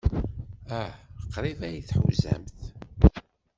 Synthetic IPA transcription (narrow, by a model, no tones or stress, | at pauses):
æqːɾˤivæjiθħṵwzæ̰mθ